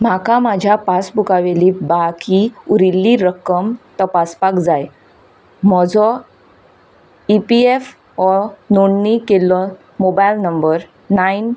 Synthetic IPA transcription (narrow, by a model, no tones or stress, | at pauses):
m̤akamad͡ʑʱjapasbukaʋelibakiuɾilːiɾəkəmt̪əpaspakd͡zaj | m̤ɔd͡zɔ | ipief | ɔnoɳːikelːɔ | mobajlnəmbəɾ | nain